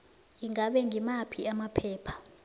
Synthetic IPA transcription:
jiŋaɓɛŋɡʱimapʰiamapʰɛːpʰḁ

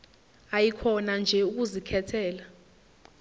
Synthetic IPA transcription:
ajikʰɔnand͡ʒʱɛuk̬uzikʰɛtʰɛːla

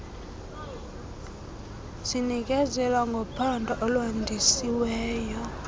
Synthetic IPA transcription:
zinikʼɛzɛlwaŋɡʱɔpʰandʱɔʔɔlondʱisiwɛːjɔ

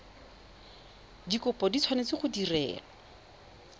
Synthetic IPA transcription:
dikʊpɔdit͡sʰwanet͡sɪχʊdirɛ̰ːlɔ

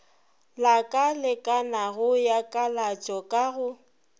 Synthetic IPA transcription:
lakʼalɪkʼanaɣʊjakʼalat͡ʃʼɔkʼaɣʊ

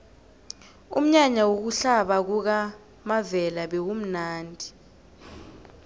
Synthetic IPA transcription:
um̩ɲaɲawok̬uɬaɓak̬uk̬a | mavɛlaɓɛwum̩naːndʱi

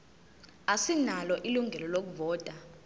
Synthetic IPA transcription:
asinalɔʔiluŋʱɛlɔlok̬uvɔːtʼa

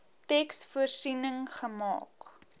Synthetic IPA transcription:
tɛksfuərsinəŋχəmɑ̰ːk

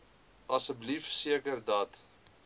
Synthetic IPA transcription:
ʔɐsəblifsiəkərdɐt

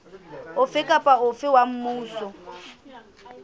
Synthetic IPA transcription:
ʊfɪkʼapʼaʊfɪwam̩mʊːsɔ

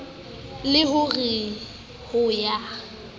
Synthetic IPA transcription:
lɪɦʊɣi | hʊja

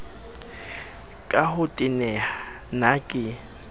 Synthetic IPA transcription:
kʼahʊtʼɪnɛa | nakʼɪ

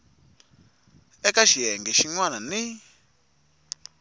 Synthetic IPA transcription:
ɛkaʃiɦɛŋɡɛʃiŋwanani

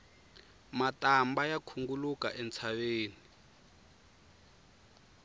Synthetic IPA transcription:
matambajakʰuŋɡuluka̰ʔɛnt͡sʰaβeːni

